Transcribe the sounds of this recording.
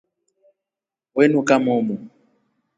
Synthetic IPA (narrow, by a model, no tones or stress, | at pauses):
wɛnukamɔmɔ